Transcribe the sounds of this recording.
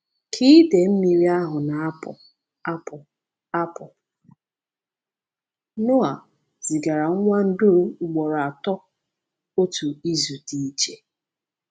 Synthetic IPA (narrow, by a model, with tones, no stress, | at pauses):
kʰi˦de˨m̩˦mi˨ɾi˦a˦ɦʊ˨na˨a˦pʊ̰˨ | a˦pʊ˨ | a˦pʊ˨ | nʊ˦a˨ | zi˨ɡa˨ɾa˨ŋ̩˦ŋʷa˦n̩˦do˦˨ɡ͡bɔ˨ɾa˨tɔ˦ | o˦tu˨i˦zu˨di˨i˦t͡ʃe˦